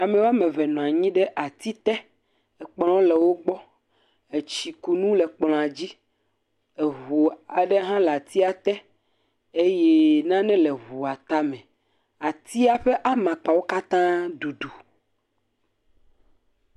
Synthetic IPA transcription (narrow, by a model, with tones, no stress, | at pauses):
a˨mɛ̃˨wa˦mɛ̃˨vɛ˨nɔ̃˨a˨ɲĩ˦ɖɛ˦ʔa˨t̪i˦t̪ɛ˦ | e˨k͡plɔ̃˦lɛ˨wo˦ɡ͡bɔ˦ | e˨t͡ɕi˨ku˨nũ˦lɛ˨k͡plɔ̃˨a˨d͡ʑi˦ | e˨ɦu˨a˨ɖe˦ɦã˦lɛ˨a˨t̪i˦a˨t̪ɛ˦ | e˦je˦nã˦nɛ̃˦le˨ɦu˨a˨t̪a˦mɛ̃˨ | a˨t̪i˦a˨ɸe˦ʔa˦mã˨k͡pa˨wo˦ka˦t̪ã˦d̪u˨ɖu˨